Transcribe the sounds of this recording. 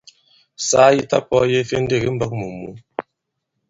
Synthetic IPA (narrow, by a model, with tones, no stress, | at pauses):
saː˦ji˦ta˦pɔ˦je˦fe˦n˦de˦˨ɣi˦m̩˦ba˦k̚mu˨mṵ˨˦